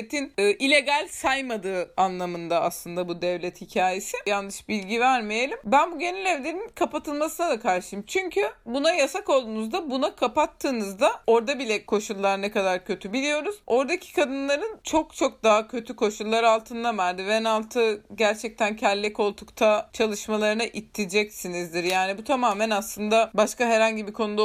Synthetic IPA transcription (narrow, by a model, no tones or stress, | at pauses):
t̪ʰinɯːʔilʲe̞ɡalʲsajmad̪ɯːanlˠamɯnd̪aaslˠɯnd̪abud̪ɛvlʲɛt̪hicʰaːje̞sɪjanːɯʃbilʲɟivæɾmejelʲimbænbuɟe̞nɛlʲɛvlʲe̞ɾinkʰapat̪ʰɯlˠmasɯnad̪akʰaɾʃɯjɯmt͡ʃʰyɲcʰybunajasako̞lˠd̪uːnuzd̪abunakʰapat̪ʰːɯːnɯzd̪ao̞ɾd̪abilʲɛkʰo̞ʃulˠːaɾnɛkad̪aɾcʰø̞t̪ʰybilʲijo̞ɾuz̥o̞ɾd̪acʰi̥kʰad̪ɯnlˠaɾɯnt͡ʃʰo̞kt͡ʃʰo̞k̚d̪aɦacʰø̞t̪ʰykʰo̞ʃulˠːaɾalˠt̪ʰɯnd̪amæɾd̪ivɛnalˠt̪ʰɯɟæɾt͡ʃʰɛc̚t̪ʰæncʰɛlʲːɛko̞lˠt̪ʰukt̪ʰat͡ʃʰalˠɯʃmalˠaɾɯnaʔit̪ʰːid͡ʒɛcsinizd̪iɾjaːnibut̪ʰamaːmænaslˠɯnd̪abaʃkaɦɛɾhaɲɟibikʰo̞nud̪a